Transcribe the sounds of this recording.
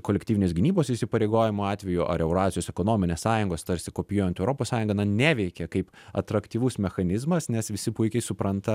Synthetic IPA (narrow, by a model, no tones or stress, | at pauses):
koːlʲɛktʲiːʋʲɪnesɡʲɪnʲiːboːsɪsʲɪpɐɾʲeɪɡoːjɪmʊɑːt̪ʲʋʲɛjʊʔɐ̰ɾɛʊɾɑːzʲɪjoːsɛkonoːmʲɪnʲeːssɑːjʊŋɡoːst̪ɐɾʲsʲɪkoːpʲɪjoːjɛnt̪ɛʊɾoːpoːssɑːjʊŋɡɐnɐnʲæːʋʲɛɪkʲɛkɐɪp | ɐ̰t̪ɾɐkt̪ʲiːʋʊsmʲɛxɐnʲɪzmɐsnʲɛsʋʲɪsʲɪpʊɪkʲɛɪsʊpɾɐnt̪ɐ